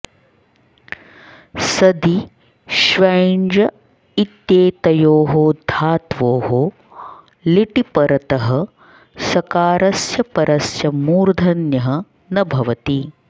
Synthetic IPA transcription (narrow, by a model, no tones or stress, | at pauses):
sɐd̪i | ʃʋɐjɳd͡ʒɐ | it̪jeːt̪ɐjoːɦoːd̪ʱaːt̪ʋoːɦo | liʈipɐɾɐt̪ɐɦɐ | sɐkaːɾɐsjɐpɐɾɐsjɐmuːɾd̪ʱɐnjɐɦɐ | nɐbʱɐʋɐt̪i